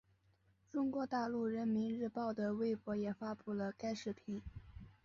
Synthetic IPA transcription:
ʈ͡ʂʊ˥ŋkwɔ˧˥t̪a˥˧lu˥˩ɻə˧˥nmi˧˥nɻɻ̩˥˧pɑ˥˩ʊd̪ə˩we˥˩ɪpwɔ˧˥jɛ˨˩fa˥pu˥˩lə˩ka˥ɪʂɻ̩˥˩pʰi˧˥˩

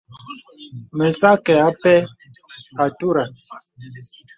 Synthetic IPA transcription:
mɛ˨sa˦kɛ˨a˦pɛ˦ | a˨tu˦ɾa˨

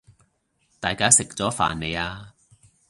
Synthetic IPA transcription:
t̪aː˨jkaː˨˥sɪ˨k̚t͡sɔː˨˥fa̰ː˨˩nne˨˧jaː˧

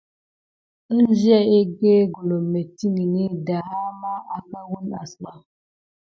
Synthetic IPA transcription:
ə˦n˦d͡ʒjɛ˦e˦ɡe˦ɡo˨lo˨me˨ti˦ŋi˨ni˦da˨ha˦ma˦a˦ka˦wu˦na̰˨sla˦

